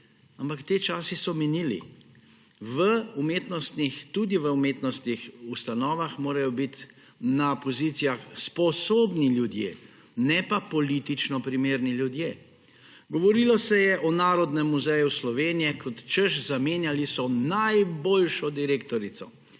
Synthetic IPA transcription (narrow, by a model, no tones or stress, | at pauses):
ampakt̪eːt͡ʃaːsisɔmɛniːlḭ | ʋəumeːt̪nɔst̪nixt̪ud̪iʋəumeːt̪nɔst̪nixust̪anɔːʋaxmoːɾajɔbit̪ | napɔzit̪sijaxspɔsoːbniljud̪jḛː | nɛpapɔlit̪it͡ʃnɔpɾimeːɾniljud̪jeː | ɡɔʋɔɾilɔsɛjɛʔɔnaːɾɔd̪nɛmːuzɛjuslɔʋeːnijɛkʰɔt̪t͡ʃəʃzameːnjalisɔnajbolʃɔd̪iɾeːkt̪ɔɾisɔ